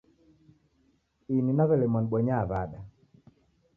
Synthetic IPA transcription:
ininaβɛlɛmɔnɓwɔɲaːβaɗa

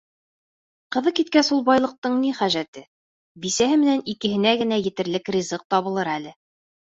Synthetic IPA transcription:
qɤ̆ðɤqkit̪̚kæsulˠbɑjlˠɤ̆q̚t̪ɤɴniχæʒæt̪ɘ | bisæɦɘmɘ̆nænikɘ̆hɘ̆næɡɘ̆næjɘ̆t̪ɘ̆ɾlɘkrʲizɤq̚t̪ɒβɤ̆lˠɤɾælɘ

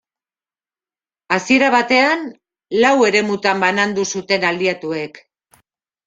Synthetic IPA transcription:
asie̞ɾaβat̪e̞an | lawe̞ɾe̞mut̪ambanand̪usut̪e̞nald̪iat̪ue̞k

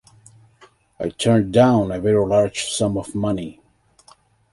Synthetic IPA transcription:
aɪtʰɜ̃˞ndãʊ̃nɨvɛɹilɑɹ̥d͡ʒ̥sʌ̃mʌvmʌni

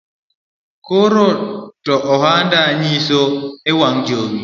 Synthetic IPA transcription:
koɾotɔʔɔɦandaɲisoɛwaŋd͡ʒoŋi

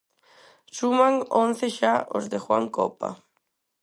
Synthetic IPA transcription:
sumaŋon̟θeʃaʔo̰zðexwa̰ŋkɔ̰pa̰

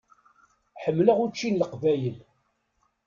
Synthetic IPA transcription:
ħəmːləʁut͡ʃːinləqvæjəl

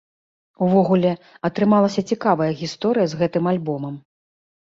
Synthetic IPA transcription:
uvɔɣulʲɛ | ɐt̪ɾɨmalˠɐsʲɐt͡sʲikavɐjɐɣʲist̪ɔɾɨjɐzɣɛt̪ɨmalʲbɔmɐm

